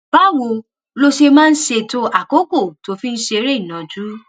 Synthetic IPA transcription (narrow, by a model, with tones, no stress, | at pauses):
b̥a˨˦wo˧ | lo˧ʃe˧mãː˦˧n̩˦ʃe˧to˧ʔa˨ko˦ko˦˨to˧˦fi˦˧n̩˦ʃe˧˦ɾe˦i˨nã˨d͡ʒu˦